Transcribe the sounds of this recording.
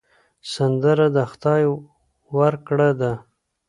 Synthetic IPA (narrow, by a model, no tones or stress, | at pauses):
sand̪əɾad̪əxt̪ɑj | waɾkɽed̪a